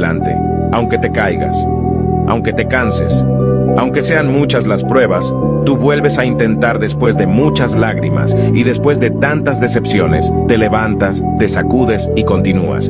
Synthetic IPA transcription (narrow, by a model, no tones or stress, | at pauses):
la̰nt̪e̞̰ | awŋke̞t̪e̞kajɣa̰s | a̰wŋke̞t̪e̞kanse̞̰s | awŋke̞se̞anmut͡ʃazlaspɾwe̞βas | t̪uβwe̞lβe̞saint̪e̞nt̪aɾðe̞spwe̞zðe̞mut͡ʃazlaɣɾḭma̰siðe̞spwe̞zðe̞t̪ant̪azðe̞se̞psjo̞ne̞̰st̪e̞le̞βant̪as | t̪e̞sakuðe̞siko̞nt̪inṵa̰s